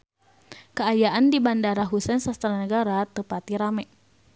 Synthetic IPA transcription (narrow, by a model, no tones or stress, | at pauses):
kəajaʔandibandaɾaɦusɛnsast̪aɾanəɡaɾat̪əpat̪iɾamɛʔ